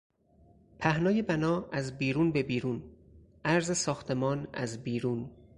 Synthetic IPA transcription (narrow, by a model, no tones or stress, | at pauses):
pʰæhnɒːje̞bænɒːæzbiːɾuːnbe̞biːɾuːn | ʔæɾzesɒːxt̪ʰe̞mɒːnæ̰zbiːɾuːn